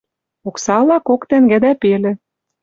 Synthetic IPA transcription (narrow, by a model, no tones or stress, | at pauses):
oksɑlɑkokt̪æŋɡæ̆d̪æpelĕ